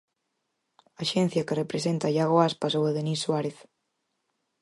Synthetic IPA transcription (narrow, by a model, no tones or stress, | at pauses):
aʃen̟θjakerepɾesent̪ajaɣoaspasoeðenisːwaɾeθ